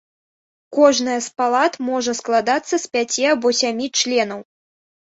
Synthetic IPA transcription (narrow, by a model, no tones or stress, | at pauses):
kɔʐnɐjɐspalˠat̪mɔʐɐsklˠad̪at̪sːɐsʲpʲat͡sʲiabɔsʲamʲit͡ʂlʲɛn̪ɐw